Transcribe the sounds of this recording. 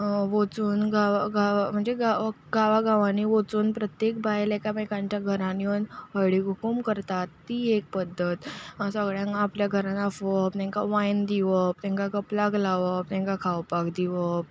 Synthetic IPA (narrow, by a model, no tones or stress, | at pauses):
ʋot͡suːnɡaʋaɡaʋm̤əɳd͡zeɡa | ɡaʋaɡaʋãniʋot͡suːnpɾət̪jek̚bajlɛkaməjkãɲt͡ɕjaɡʱəɾãniənɦəɽiɡʱukumkəɾt̪at̪ːiːek̚pəd̪ʱːət̪səɡɭjãŋapljaɡʱəɾãnafəpnɛ̃ŋkaʋajnd̪iʋəpt̪ɛ̃ŋkakəplaɡlaʋəp̚t̪ɛ̃ŋkakʰawpakd̪iʋə